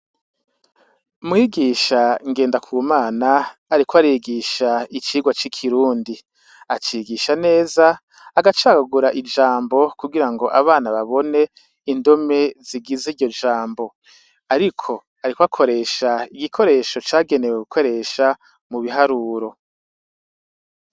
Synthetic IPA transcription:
umŋiːɡiʃaŋɡeːndakʰumaːnaːɾikoaɾiɡiːʃait͡ʃiːɡwat͡ʃikʰiɾuːndi | at͡ʃiɡiʃane̞ːzaː | ɡat͡ʃaɡaɡuɾaʔid͡ʒaːmbo̞kuɡiɾaŋɡo̞ʔaβaːnaβaβo̞ne̞ | indome̞ziɡiziɾɟo̞d͡ʒaːmbo̞ | aɾikʰo̞ | aɾikwakʰo̞ɾe̞ʃaiɡikʰo̞ɾe̞ːʃo̞t͡ʃaːɡe̞neweɡukʰo̞ɾe̞ʃa | muβiɦaɾuːɾo̞

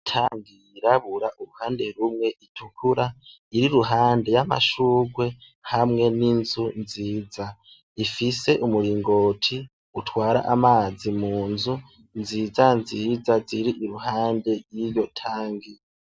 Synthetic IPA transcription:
tʰaːŋɡiiɾaβuɾaʔuɾuhaːnde̞ɾumŋe̞ʔitʰukʰuɾa | iɾiɾuɦaːnde̞jama̰ʃuːɡwe̞ | hamŋe̞ninzunziːd͡za | ifise̞ʔumuɾiːŋɡo̞ːtʰi | utʰwaːɾa̰ʔamaːzimuːnzu | nzizanzizaziɾiʔiɾuhaːnde̞ɾjijo̞tʰaːŋɡi

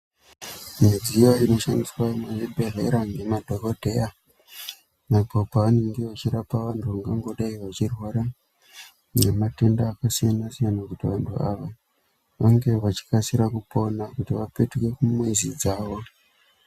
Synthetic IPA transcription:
med͡zijo̞ino̞ʃandiswameʐibʱe̞re̞ɾaŋɡemadʱo̞ko̞dʱe̞a | napopaʋane̞ŋɡeʋat͡ʃiɾapaʋantʰuʋaŋɡaŋɡo̞ɗaiʋat͡ʃirwoɾa | nemate̞ndaːkasijanasijanakutiʋantʰṵaʋa | ʋaŋɡe̞ʋat͡ʃi̥kasiɾakupo̞nakutiʋapetke̞kumwezid͡zaːʋo̞

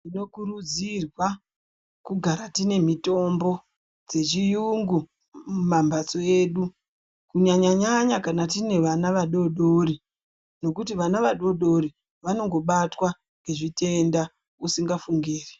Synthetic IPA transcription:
ino̞kurud͡zirwa | kuɡʱaɾatine̞mito̞mbo̞ | d͡ze̞t͡ʃijuŋɡu | mumambat͡so̞eːɗu | kuɲaɲaɲaɲakanatine̞ʋanaʋaɗo̞ɗoɾi | no̞kutiʋanaʋaɗo̞ɗo̞ɾi | ʋano̞ŋɡo̞ɓatwa | ŋɡe̞ʐite̞nda | usiŋɡafuŋɡiːri

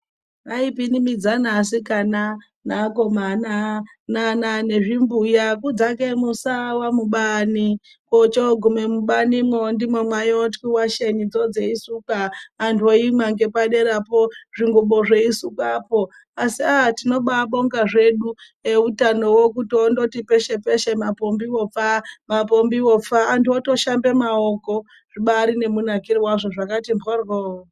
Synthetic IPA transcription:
raipinimid͡zanasikana | nakomana | nananeʐimbujak̬ud͡zakemusawamuɓani | kot͡ʃoɡʱumemuɓanimondimomwajotkiwaʃenid͡zod͡zeisukaːntuoimaŋɡe̞paɗe̞ɾapoʐiŋɡoɓoʐeisukaːpo | asiatino̞ɓaɓoŋɡaʐe̞ɗu | eutano̞wokutondotipeʃepeʃemapombiwo̞p͡famapombiwop͡faːntuotoʃambe̞maoko | ʐ̥iɓaɾine̞munakiriwaʐoʐakatimborɣo

